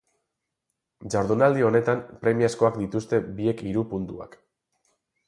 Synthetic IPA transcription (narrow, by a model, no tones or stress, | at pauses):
d͡ʒaɾðunald̪io̞ne̞t̪ampɾe̞miasko̞akd̪it̪ust̪e̞bie̞kiɾupunt̪ua̰k